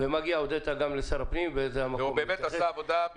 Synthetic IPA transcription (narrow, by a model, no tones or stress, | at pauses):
vemaɡiaod̪et̪aɡamlesaʁapnimveezeamakuombeːmet̪asaːvod̪a